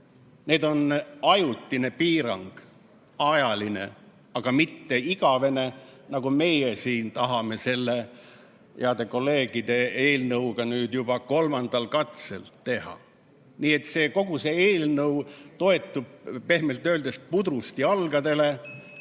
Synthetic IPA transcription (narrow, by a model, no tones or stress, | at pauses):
ne̞ːd̪o̞nɑjut̪ːine̞piːɾɑŋɡ̥ | ɑjɑline̞̰ | ɑɡ̥ɑmit̪ːe̞iɡ̥ɑve̞ne̞nɑɡ̥ume̞jesiːnt̪ɑɦɑme̞se̞lːe̞ | jeɑd̪̥e̞ko̞lːe̞ːɡ̥id̪̥e̞e̞ːlnɤwɡ̥ɑnyːd̪̥jub̥ɑko̞lmɑnd̪̥ɑlkɑt̪selt̪e̞hɑ̰ | niːe̞t̪ːˑse̞ːko̞ɡuse̞eːlnɤwt̪o̞e̞t̪ːˑub̥̚pe̞hmelt̪ːø̞ːld̪̥e̞spud̪ɾust̪iɑlɡ̥ɑd̪e̞le̞